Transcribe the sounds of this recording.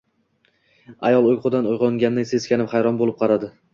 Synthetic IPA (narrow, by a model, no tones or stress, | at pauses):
a̰jɒlˠojqʰʊd̪anojʁɒŋɡʲanːɪse̞zkʲanɪmχajɾɒnbolɪp̚qʰɑɾad̪ɪ